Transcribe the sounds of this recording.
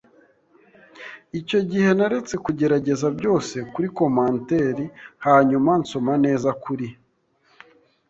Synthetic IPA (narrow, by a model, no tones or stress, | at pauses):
ico̞ɟihe̞naɾet͡se̞kuɟe̞ɾaɟe̞zabjo̞ːse̞kuɾiko̞maːnte̞ɾihaɲumanso̞mane̞ːzakuɾi